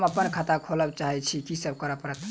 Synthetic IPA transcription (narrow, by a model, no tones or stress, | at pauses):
məpːənkʰat̪akʰoləbt͡ʃaɦɛt͡ʃʰikisəb̚kəɾəpəɾət̪